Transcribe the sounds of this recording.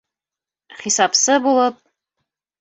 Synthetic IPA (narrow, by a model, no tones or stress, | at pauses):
χisapsɐbulˠəp̚